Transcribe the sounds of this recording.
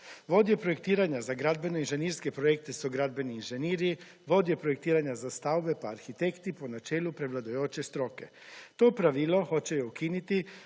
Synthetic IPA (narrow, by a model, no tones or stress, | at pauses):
ʋo̞d̪jepɾoje̞k̚t̪iːɾaɲazaɡɾad̪̚be̞noinʒeniɾskepɾojek̚t̪esuɡɾad̪be̞niːnʒe̞niːɾi | ʋo̞d̪jepɾojek̚t̪iːɾaɲazast̪awbe̞paːɾxit̪ekt̪iponat͡ʃeːlupɾeʋlˠad̪ojoːt͡ʃe̞st̪ɾo̞ke̞̰ | t̪o̞pɾaʋilˠo̞xo̞t͡ɕejoukinit̪i